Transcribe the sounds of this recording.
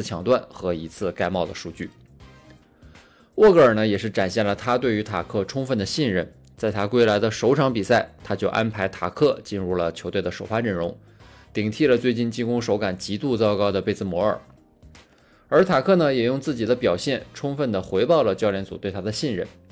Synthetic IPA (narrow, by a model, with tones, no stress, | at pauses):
t͡ɕʰjɑ˨˩ŋt̪wa˥˩nxɤ˧˥i˧˥t͡sʰɹ̩˥˧ka˥˧ɪmɑ˥˩ʊd̪ə˩ʂu˥˧t͡ɕy̰˥˩ | wɔ˥˩kɤ˥ə˞˨˩nə˦jɛ˨˩ʂɻ̩˥˩ʈ͡ʂa˨˩nɕjɛ˥˩nlə˩t̪ʰa˥t̪we˥˩ɪy˧˥t̪ʰa˨˩kʰɤ˥˩ʈ͡ʂʰʊ˥ŋfə˥˩nd̪ə˩ɕi˥˧nɻə˥˩n | t͡sa˥˩ɪt̪ʰa˥kwe˥ɪla˧˥ɪd̪ə˧ʂo˧˥ʊʈ͡ʂʰɑ˧˥ŋpi˨˩sa˥˩ɪt̪ʰa˥t͡ɕjo˥˩ʊʔa˥npʰa˧˥ɪt̪ʰa˨˩kʰɤ˥˩t͡ɕi˥˧nɻu˥˩lə˩t͡ɕʰjo˧˥ʊt̪we˥˩ɪd̪ə˩ʂo˨˩ʊfa˥ʈ͡ʂə˥˩ɻʊ˧˥ŋ | t̪i˨˩ŋt̪ʰi˥˩lə˩t͡swe˥˧ɪt͡ɕi˥˩nt͡ɕi˥nkʊ˥ŋʂo˧˥ʊka˨˩nt͡ɕi˧˥t̪u˥˧t͡sɑ˥ʊkɑ˥ʊd̪ə˨pe˥ɪt͡sɹ̩˥˩mwɔ˧˥ə̰˞˨˩ | ə˞˧˥t̪ʰa˨˩kʰɤ˥˩nə˩jɛ˨˩jʊ˥˧ŋt͡sɹ̩˥˩t͡ɕi˨˩d̪ə˦pjɑ˨˩ʊɕjɛ˥˩nʈ͡ʂʰʊ˥ŋfə˥˩nd̪ə˩xwe˧˥ɪpɑ˥˩ʊlə˩t͡ɕjɑ˥ljɛ˧˥nt͡su˨˩t̪we˥˩ɪt̪ʰa˥d̪ə˨ɕi˥˧nɻə̰˥˩n